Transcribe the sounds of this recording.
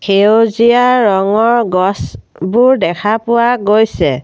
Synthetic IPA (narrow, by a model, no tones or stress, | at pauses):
kʰeozijaɹɔŋɔɹɡɔs | bʊɹdɛkʰapʊwaɡojsɛ